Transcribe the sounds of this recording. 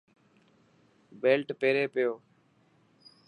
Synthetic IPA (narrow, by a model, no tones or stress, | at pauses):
beːlʈpeːɾeːpɪjoː